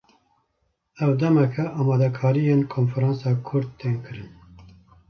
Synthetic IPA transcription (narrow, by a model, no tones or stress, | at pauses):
ɛwd̪ɛmɛkʰɛʔɑːmɑːd̪ɛkʰɑːɾijeːnkʰoːnfɛɾɑ̃ːnsɑːkʰʊɾd̪̚t̪eːnkɨɾɨn